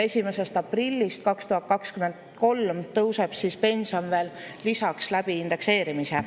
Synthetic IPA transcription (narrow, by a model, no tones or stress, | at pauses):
e̞sʲime̞se̞st̪ɑprilʲːist̪̚kɑkst̪uɦɑt̪̚kɑkskyme̞nd̪̥ko̞lmt̪ɤwseb̥sispe̞nʲsio̞nve̞ːlːisɑkslæb̥iːnd̪̥e̞kse̞ːɾimise